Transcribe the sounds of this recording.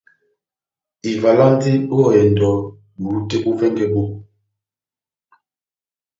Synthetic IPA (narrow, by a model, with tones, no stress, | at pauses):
i˨va˨la˦n˦ti˦ɗo˦ɔ˨jɛ˨n̩˨dɔ˨˦ | bu˨˦te˦bu˦vɛ˦ŋɡɛ˨bo˦